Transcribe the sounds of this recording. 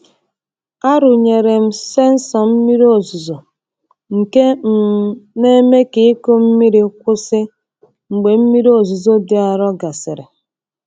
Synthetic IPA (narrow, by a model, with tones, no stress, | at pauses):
a˦ɾʊ˨ɲe˨ɾe˨m̩˦se˦n̩˦sɔ˨m̩˦mi˦ɾo˨zʊ˨zɔ˨ | ŋ̩˨ke˦m̩˨ne˦me˦ke˨˦i˦ko˦m̩˦mi˦ɾi˦kʷʊ˦sɪ˦ | ŋ͡m̩˨ɡ͡be˨m̩˦mi˦ɾi˦o˨zu˨zo˦dɪ˨a˨ɾɔ˦ɡa˨sɪ˨ɾɪ˨